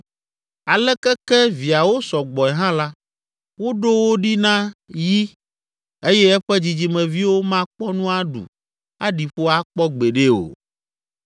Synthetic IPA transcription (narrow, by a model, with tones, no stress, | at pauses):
a˨lɛ˦kɛ˦kɛ˦vi˨a˨wo˦sɔ˨ɡ͡bɔ˨ɛ˨ɦã˦la˦ | wo˦ɖo˦wo˦ɖi˦nã˦ji˦ | e˦jɛ˦ɛ˦ɸɛ˦d͡ʑi˨d͡ʑi˨mɛ̃˨vi˦wo˦mã˦k͡pɔ˦nũ˦a˦ɖṵ˨ | a˦ɖi˨ɸo˦a˦k͡pɔ˦ɡ͡be˨ɖe˦o̰˨